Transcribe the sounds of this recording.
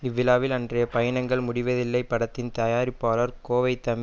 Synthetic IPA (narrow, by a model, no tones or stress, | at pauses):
ɪʋːɪlaːʋɪlɐndrɐjɐpɐjɐnɐŋɡɐɭmʊɽɪʋɐðɪlːɐɪpːɐɽɐt̪ːɪnt̪ɐjaːɾɪpːaːlɐɾkoːʋɐɪt̪ːɐm